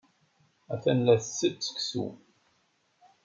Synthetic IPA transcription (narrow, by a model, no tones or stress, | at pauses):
æθænlæθsːət͡sːə̥ksṵ